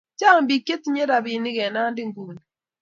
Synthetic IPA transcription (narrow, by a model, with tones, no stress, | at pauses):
d͡ʒa˦˨m̩˦bi˨ke˦ti˨˦ɲe˦ɾa˨bi˨ni˦ɣɛ˨na˦n˦di˦ŋ̩˨ɡu˦˨ni˨